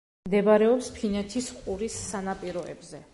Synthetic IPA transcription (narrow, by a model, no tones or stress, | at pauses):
md̪ɛbaɾɛɔpspʰinɛt̪ʰisqʼuɾisːanapʼiɾɔɛ̰bzɛ